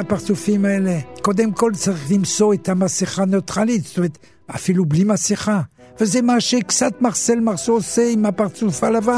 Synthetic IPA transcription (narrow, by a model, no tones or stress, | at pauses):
apaʁt͡sufimaelekod̪emkolt͡saʁiχlimsoet̪amaseχanot̪ʁalit̪ze̥t̪omeet̪ | a̰filublimaseχa | vezɛmaʃekt͡sat̪maʁselmaʁsoːseimapaʁt͡sufalava